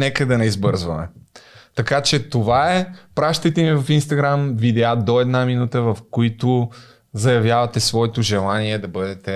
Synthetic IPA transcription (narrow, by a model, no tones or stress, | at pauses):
nɛkəd̪ɐnɛizbɤɾzvɐmɛ̰t̪ɐkat͡ʃɛt̪ovaɛpɾaʃt̪ət̪ɛmivɐfinst̪ɐɡɾamvid̪ɛad̪oɛd̪naminut̪əvɐfkoit̪ʊ | zɐjɐvjavɐt̪ɛsvɔɛt̪oʒɛlˠaniɛd̪ɐbɤd̪ɛt̪ɛ